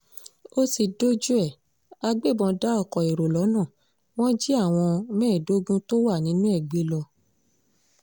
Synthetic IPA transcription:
o˦si˧do˦d͡ʒu˦ɛ˦˨ | a˧ɡ͡be˦˨bɔ̃˧da˦ɔ˦˨kɔ˨e˨ɾo˨lɔ˨˦nã˦˨ | w̃ɔ̃˦d͡ʒi˦a˦˨w̃ɔ̃˧mɛ̃ː˦˨do˦ɡũ˦to˦wa˦˨nĩ˨˦nũ˦ɛ˦˨ɡ͡be˦lɔ˧

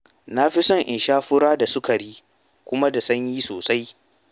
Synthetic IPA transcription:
na˦ɸi˦sɔ˦˨ŋʔɪ˨nʃaː˦ɸʊ˦ɽaː˦da˨sʊ˦ka˨ɽiː˦ | kʷʊ˦ma˦da˨sɐ˦ɲji˦soː˨sa˦j

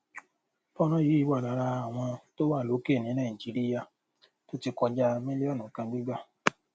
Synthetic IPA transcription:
bɔ˦˨ɾ̃ɔ̃˦ji˨˦i˨˦wa˦˨la˨˦ɾa˧a˨w̃ɔ̃˧to˦wa˦˨lo˨˦ke˦˨nĩ˨˦nã˦˨i˨d͡ʒi˨˦ɾi˦ja˧˨ | to˦ti˧kɔ˧d͡ʒa˧mĩ˦li˦ɔ˦˨nũ˨kã˧ɡ͡bi˦ɡ͡ba˦˨

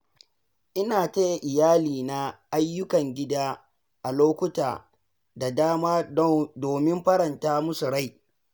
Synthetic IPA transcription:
ʔɪ˦naː˨ta˦ja˨ʔɪ˨jaː˦liː˨na˦ʔa˦jːʊ˦kɐ˨ŋɡʲɪ˦daː˦ | ʔa˨loː˦kʷʊ˦ta̰ː˨ | da˨daː˦maː˦doː˨mɪ˦mɸɐ˦ɾɐ˨ntaː˦mʊ˦su˨ɽa˦j

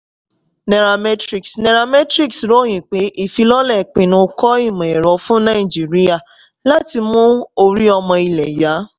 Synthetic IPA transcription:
nɛ˨ɾa˧mɛ˦tɾi˦˨ksnɛ˨ɾa˧mɛ˦tɾi˦ksɾo˦j̃ĩ˨k͡pe˨˦ʔi˦˨fi˧˦lɔ˦lɛ˦˨k͡pĩ˨nũ˧kɔ˦i˦˨mã˨ɛ˨ɾɔ˨fũ˦nã˦i˨d͡ʒi˨ɾi˦a˦˨ | la˦ti˧mũ˦o˧ɾi˦ɔ˧mɔ̃˧i˧lɛ˨ja˨˦

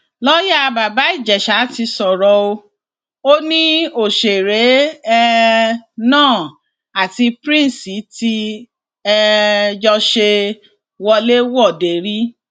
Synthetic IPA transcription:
lɔ˦ja˦˨˧ba˨ba˨˦i˦˨d͡ʒɛ˨ʃa˨˦ti˧sɔ˨ɾɔ˨˧o˧ | o˦nĩ˦o˦˨ʃe˨ɾe˨˦ɛ˦ | nãː˦˨ | a˨ti˧pɾĩ˦n̩˨si˨˦ti˦ | ɛ˧d͡ʒɔ˧ʃe˧ | wɔ˧le˦wɔ˦˨de˨ɾi˦

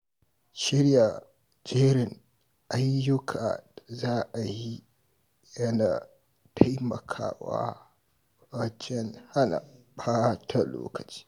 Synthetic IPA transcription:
ʃɪ˦ɾja˨ | d͡ʒeː˦ɾɪ˨ŋ | ʔa˦jːʊ˦kʰa̰ː˨zaː˦ʔa˨ji˦ | jɐ˦naː˨ | tʰa˦jmɐ̰˨kʰa̰ː˦wa̰ː˦ | wɐ˦t͡ʃɛ˦nha˦na̰˨ɸaː˦tʰa˨lo̰ː˦kɐ˨t͡ʃi̥ː˦

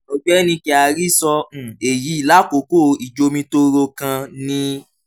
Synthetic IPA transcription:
o˧ɡ͡bɛ˦nĩ˧kɛ˧˨a˨˧˨ɾi˦sɔ̃˧˨e˨ji˨˦i˦˨la˨˦ko˨˦ko˦˨i˨d͡ʒo˧mĩ˧to˦ɾo˧kã˧nĩ˧˦

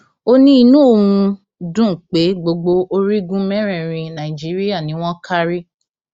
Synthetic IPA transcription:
o˦nĩ˦i˧nũ˨˦o˦˨wũ˧ | dũ˦˨k͡pe˨˦ɡ͡bo˧ɡ͡bo˧o˦ɾi˦ɡũ˦mɛ̃˦ɾ̃ɛ̃˦˨ɾĩ˧nã˨i˨d͡ʒi˨˦ɾi˦a˦˨nĩ˨˦w̃ɔ̃˦kʰa˦ɾi˦

